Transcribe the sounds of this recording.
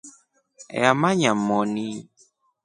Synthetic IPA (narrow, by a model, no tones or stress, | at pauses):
amaɲamɔni